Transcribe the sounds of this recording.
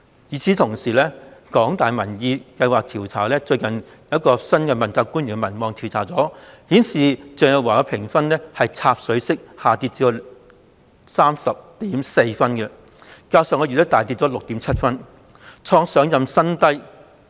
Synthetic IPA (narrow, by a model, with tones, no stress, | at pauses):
jiː˨˧t͡sʰiː˨˧˥t̪ʰʊ˨˩ŋsiː˨˩lɛː˥kɔː˨˥ŋt̪aː˨jmɐ˨˩njiː˧kɐ˧jwaː˨k̚t̪ʰiː˨˩wt͡sʰaː˨˩lɛː˥t͡ʃɵ˧ɥkɐ˨˩n | jɐ˩˥ɐ˥t̚kɔː˧sɐ˥nkɛ˧mɐ˨˩nt͡saː˧kːuː˥nɥyː˨˩ŋɛ˧mɐ˨˩nmɔː˨˧ŋt̪ʰi˨˩wt͡sʰaː˨˩t͡sɔː˨˥hiː˨˥nsiː˨˩t͡sœː˨˩ŋjɐ˨˩waː˨˩kɐ˧pʰɪ˨˩ŋfɐ˥nlɛː˥hɐ˨jt͡sʰaː˧p̚sɵ˨˥ɥsɪ˥k̚haː˨t̪i˧t̚t͡si˧o˨˧ | saː˥msɐ˨p̚t̪iː˨˥mse˧jfɐ˥nkɛ˧ | kaː˧wsœː˨˧ŋɔː˧ɥy˨t̪ɐ˥t̪aː˨jt̪̬i˧t̚t͡sɔː˨˥lʊ˨k̚t̪iː˨˥mt͡sʰɐ˥t̚fɐ˥n | t͡ʃʰɔː˧ŋsœː˨˥ŋjɐ˨msɐ˥nt̪ɐ˥j